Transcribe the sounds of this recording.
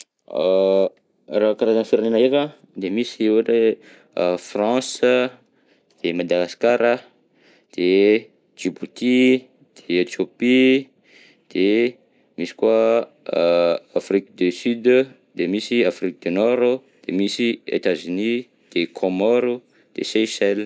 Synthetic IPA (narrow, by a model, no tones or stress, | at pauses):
rakaɾazanfiɾanenaeɾə | d̪emisiuʈ͡ʂe | frɑ̃sə | d̪̥emad̪aɡaskaɾə | d̪̥e | d͡ʒibut̪i | d̪̥eet̪jopi | d̪̥e | misi̥kua | afrikd̪ysyd̪ | d̪emisiafɾik̚d̪ynɔɾ | d̪̥emisiḛt̪azyni | d̪̥ekʰomɔɾu | d̪̥ḛsesɛl